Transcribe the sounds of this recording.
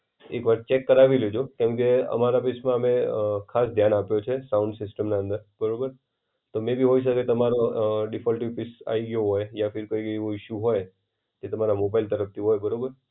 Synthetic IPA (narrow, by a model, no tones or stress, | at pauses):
ekʋaɾt͡ʃekːəɾaʋiled͡ʒokɛ̃mkeə̰maɾapɪsmãəmẽkʰasd̪ʱjanapjot͡ʃʰesaʊ̃ɳɖsɪsʈəmnaə̃nd̪əɾbəɾobəɾ | t̪omẽbʱiɦoiʃ̬əket̪əmaɾoɖɪfʰɔlʈiʋpɪsa̰iɡjoɦojjãfɪɾkoiɡəjʋũɪʃjuɦoj | d͡ʒet̪əmaɾamobailt̪əɾəft̪ʰiɦojbəɾobəɾ